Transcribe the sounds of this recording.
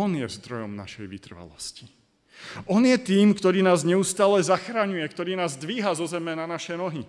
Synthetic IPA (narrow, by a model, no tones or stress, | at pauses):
ɔnjɛzd̪ɾɔjɔmna̰ʃɛjʋit̪r̩ʋa̰lɔ̰sci̥ | ʔɔnjɛt̪iːmkt̪ɔɾiːnaːzɲɛust̪aːlɛzaxɾaɲujɛkt̪ɔɾiːnaːzd̪ʋiːɦazɔzɛmɛnanaʃɛnɔɦi